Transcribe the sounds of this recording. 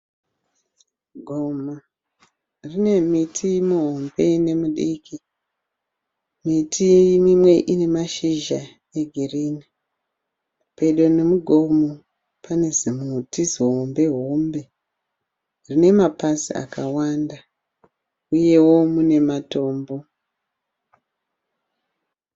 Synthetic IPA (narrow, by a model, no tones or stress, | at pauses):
ɡʱoma | rine̞mitʰimuɦombe̞ne̞muɗikʰi | mitʰimimwe̞ʔine̞maʃiʒa | eɡʱiriːni | pe̞ɗo̞nemuɡʱo̞mu | pane̞zimutiziɦombe̞ɦo̞mbe̞ | rine̞mapasḭa̰kawanda | uje̞wo̞mune̞mato̞ːmbo̞